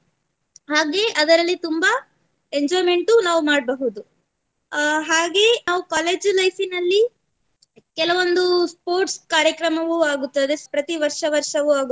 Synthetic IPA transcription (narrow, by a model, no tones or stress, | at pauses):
ɦaːɡe̞ːʔɐd̪ɐɾɐlːit̪umbɐ | eɲd͡ʒɔːjme̞ɳʈunaːʋumaːɖ̚bɐɦud̪u | ɦaːɡe̞naːʋukaːle̞ːd͡ʒlɐjsinɐlːi | kɛlɐʋo̞nd̪uspo̞ːɾʈskaːɾjɐkɾɐmɐʋuaːɡut̪ːɐd̪e̞pɾɐt̪iʋɐɾʂɐʋɐɾʂɐʋuaːɡ